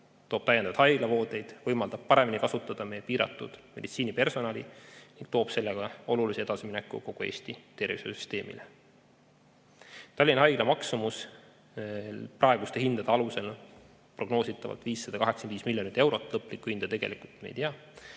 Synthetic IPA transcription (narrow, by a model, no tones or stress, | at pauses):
t̪o̞ːb̥̚t̪æjːend̪ɑvd̪hɑjɡ̥lɑvo̞ːd̪e̞jd̪̥vɤjmɑld̪̥ɑb̥̚pɑɾe̞minikɑsut̪ːˑɑd̪̥ɑmejːepiːɾɑ̰t̪ːˑṵd̪̥me̞d̪it̪siːnipe̞rso̞nɑliniŋɡ̥̚t̪o̞ːb̥se̞lːeɡ̥ɑo̞lulisie̞d̪̥ɑsiminekːˑṵko̞ɡ̥ue̞ːsʲt̪it̪e̞rvisesy̥st̪e̞ːmḭle | t̪ɑlʲːinɦɑjɡ̥lɑmɑksumus | prʔɑeɡ̥ust̪eɦind̪̥ɑd̪̥eɑluse̞l | pro̞ɡ̥no̞ːsit̪ːˑɑvɑ̰lt̪viːsːɑd̪ɑkɑɦe̞ksɑeniːsmilːjonit̪ːˑewɾo̞t̪ːˑlɤpːˑlikːuhind̪ɑt̪e̞ɡ̥e̞likult̪mḛjt̪iɑ